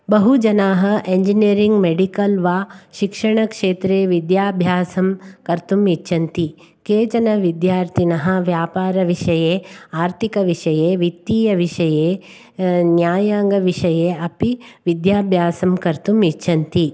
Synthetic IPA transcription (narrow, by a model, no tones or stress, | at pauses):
bɐɦud͡ʒɐnaːɦɐʔeɲd͡ʒiniɐɾiŋɡmeɖikɐlʋaːʃikʂɐɳɐkʂeːt̪ɾeːʋid̪jaːbʱjaːsɐmkɐɾt̪umiʃʰːɐnt̪i | keːt͡ʃɐnɐʋid̪jaːɾt̪ʰinɐɦɐ̆ʋjaːpaːɾɐʋiʂɐjeːaːɾt̪ʰikɐʋiʂɐjeːʋit̪ːiːjɐʋiʂɐjeː | njaːjaːŋɡɐʋiʂɐjeːɐpiʋid̪jaːbʱjaːsɐmkɐɾt̪umit͡ʃʰːɐnt̪i